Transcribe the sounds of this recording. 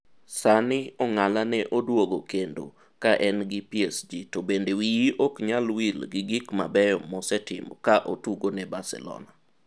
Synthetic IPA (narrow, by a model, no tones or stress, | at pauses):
sanɪɔŋalanɛʔodwoɡokendo̰ | kaʔɛnɡɪpiesd͡ʒitobendewijiʔɔkɲalwilɡɪɡikma̰bɛjɔmɔsɛtɪ̰mɔ̰kaʔotuɡonɛbasɛ̰lɔ̰na